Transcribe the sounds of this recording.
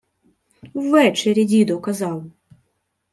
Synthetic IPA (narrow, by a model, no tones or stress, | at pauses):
wːɛt͡ʃɛɾʲɪdʲid̪ɔwkɐzɑw